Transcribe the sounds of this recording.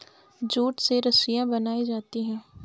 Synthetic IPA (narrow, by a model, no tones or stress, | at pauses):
d͡ʒuːʈseɾɐsɪjãbɐnaːid͡ʒaːt̪iɦɛ̃ː